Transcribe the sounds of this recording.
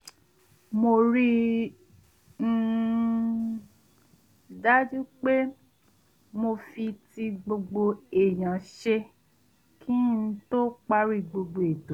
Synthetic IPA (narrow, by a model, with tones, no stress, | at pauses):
mo˧ɾi˧˦ | n̩˦˨ | da˦d͡ʒu˦k͡pe˦ | mo˧fi˧ti˧ɡ͡bo˧ɡ͡bo˧e˨j̃ã˨ʃe˧ | kʰĩ˦n̩˧˦to˦k͡pa˦ɾi˧˨ɡ͡bo˧ɡ͡bo˧˨e˨to˨˦